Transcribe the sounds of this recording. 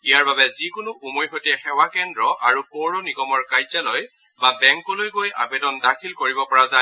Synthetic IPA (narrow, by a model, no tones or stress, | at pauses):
ijaɹbabɛzikʊnʊʔumojxotɛxɛwakɛndɹɔʔaɹupoɹɔnikɔmɔɹkajzalɔj | babɛŋkɔlojkojʔa̰bedɔndakʰilkoɹibɔpɔɹaza